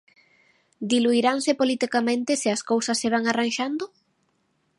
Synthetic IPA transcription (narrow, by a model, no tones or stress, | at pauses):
d̪iluiɾaŋsepolit̪ikamẽnt̪eseaskowsɐsːeβ̞aŋaranʃand̪o